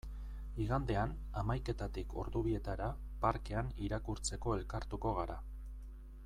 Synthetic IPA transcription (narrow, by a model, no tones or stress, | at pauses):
iɣand̪e̞an | amajke̞t̪at̪ikʰo̞̰ɾðuβie̞t̪aɾa | paɾke̞aniɾakuɾt͡se̞ko̞e̞lkaɾt̪uko̞ɣ̞aɾa